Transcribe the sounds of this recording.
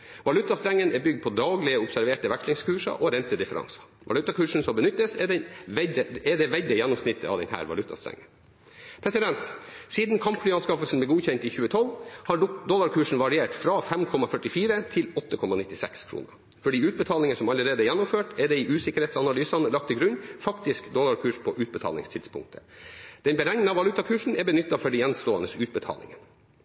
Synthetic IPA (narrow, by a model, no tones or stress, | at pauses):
ʋɑlʉt̪ːɑst̪ɾɛŋːənɛbʏɡd̪̚pʰɔd̪ɑːɡlɪəʊpsæɾʋeːʈəʋækʂlɪŋskʰʉːʂɑ̰ʔɔɾɛnt̪əd̪ɪfəɾɑ̰ŋsɑ̥ʋɑlʉt̪ːɑkʰʉːʂn̩sɔmbənʏt̪ːəsɛd̪ɛnɛd̪əɛd̪ɛʋɛld̪əjɛnːʊmsnɪt̪ːəɑ̰ʋd̪ɛ̰nhæ̰ːɾʋɑ̰lʉt̪ːɑ̰st̪ɾɛ̰ŋːən | pʰɾɛsɪd̪ɛnt̪siːd̪nkʰɑmpflyːɑnskɑfəlsn̩blɛɡuːçɛnt̪ɪçʉːət̪ʰɔlhɑd̪ɔlɑɾkʰʉːʂn̩ʋɑɾɪeːʈfɾɑfɛmkʰɔmɑfœʈɪfiːɾət̪ʰɪlɔt̪ːəkʰɔmɑnɪt̪ːɪsɛ̰kskʰɾṵːnəɾ | fɔɖiːʉːt̪̚bət̪ʰɑːlɪŋənsɔmɑləɾeːd̪əjɛnːʊmføːʈɛɖɛɪʔʉːsɪkəɾheɪtsɑnɑlyːsɑnəlɑk̚t̪ɪɡɾʉnfɑkt̪ɪskd̪ɔlɑɾkʰʉːʂpʰɔʔʉːt̪̚bət̪ʰɑ̰ːlɪ̰ŋst̪ʰɪd̪spʰʊ̰ŋk̚t̪ʰə̥d̪̥ɛnbəɾɛŋnəɑʋɑlʉt̪ːɑkʰʉːʂɳ̩ɛbənʏt̪ːɑfɔɖɛjɛnst̪oːɑnəsʉːt̪̚bət̪ʰɑ̰ːlɪ̰ŋən